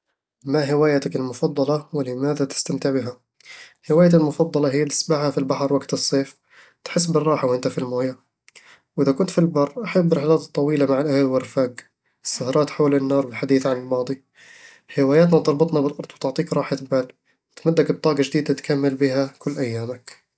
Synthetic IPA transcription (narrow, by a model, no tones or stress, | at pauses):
maɦɪwaːjat̪akɪlmʊfɑd̪ˤːɑlɑwɪlɪmaːðat̪ɪ̥st̪amt̪ɪʕbɪɦa | hɪwaːjaɪlmʊfɑd̪ˤːɑlɑɦijːalʔɪsbaːʕhafilbaħɾˤwaɡt̪ɨsˤːeːf | t̪ħɪs̬ːbɪrˤːɑːħawʔɪnt̪afilmoːja | wʔɪðakʊnt̪filbɑrˤːʔaħabːɾɪħalaːt̪t̪ˤːɑwiːlamaʕalʔahalwɪrɪfaːɡ | ɪsːahɾˤɑːt̪ħoːlɪnːɑːɾˤbɪlħad̪iːθʕanɪlmɑːd̪ˤi | ħɪwaːjat̪nat̪ɑɾˤbɑt̪ˤnɑbɪlʔɑɾˤd̪ˤwt̪ʊʕt̪ˤiːkɾˤɑːħabal | ɪt̪mad̪ːakb̚t̪ˤːɑːɡɑʒd̪iːd̪at̪kamːɪlbɪɦakʊlːʔajːaːmak